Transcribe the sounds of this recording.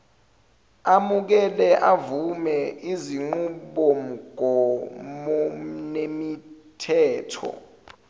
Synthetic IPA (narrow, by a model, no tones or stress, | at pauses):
amuk̬ɛlɛʔavumɛʔiziŋ͡ǃuɓom̩ɡ̥ʱɔmɔnemi | tʰɛːtʰɔ̰